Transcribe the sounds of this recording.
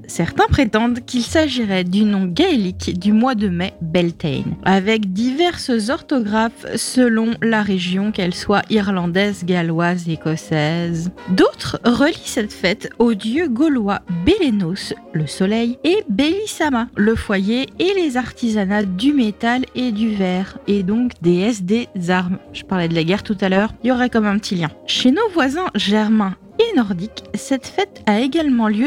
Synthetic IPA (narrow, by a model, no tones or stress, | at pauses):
sɛʁt̪ɛ̃pχet̪ɑ̃d̪kʲilsaʒiʁɛd̪ynɔ̃ɡaelikd̪ymwad̪əmɛbɛlt̪ɛ̰navɛkd̪ivɛʁszɔʁt̪ɔɡʁafsəlɔ̃laʁeʒjɔ̃kɛlswaʔiʁlɑ̃d̪ɛzɡalwazekɔsɛzd̪ot̪χʁəlisɛt̪fɛt̪od̪jøɡɔlwabelenosləsɔlɛjebeisamaləfwajeelezaʁt̪izanad̪ymet̪aled̪yvɛʁed̪ɔ̃kd̪eɛs̬d̪ezaʁmʒ̥əpaʁlɛd̪əlaɡʲɛʁt̪ut̪alœːʁiljɔʁɛkɑmɛ̃pət̪ʰiljɛ̃ʃenovwazɛ̃ʒɛʁmɛ̃ | enɔʁd̪iksɛt̪fɛt̪aeɡalmɑ̃ljø